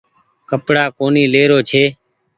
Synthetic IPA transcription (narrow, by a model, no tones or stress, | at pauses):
kəpɽaːkoːniːleːɾoːt͡ʃʰeː